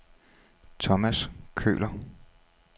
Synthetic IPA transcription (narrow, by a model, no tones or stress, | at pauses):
t͡sʰɒmæskʰø̰ːlɐ